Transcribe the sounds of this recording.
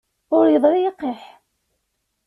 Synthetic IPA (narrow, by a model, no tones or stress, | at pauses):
ʊɾjəðˤɾijəqːeħ